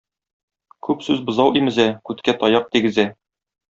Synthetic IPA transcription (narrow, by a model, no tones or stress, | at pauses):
kʉpsʉzbɤ̆zɑwimɘ̆zækʉt̪kæt̪ɒjɑq̚t̪iɡɘ̆zæ